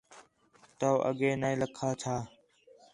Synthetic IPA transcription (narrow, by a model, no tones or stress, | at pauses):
t̪oːʔə̰ɡeːnəĩːləkʰːaːt͡ʃʰaː